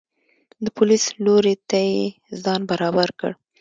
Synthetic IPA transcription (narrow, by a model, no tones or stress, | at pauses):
d̪əpʊlisloɾet̪aje | zɑnbaɾɑbaɾkə̰ɽ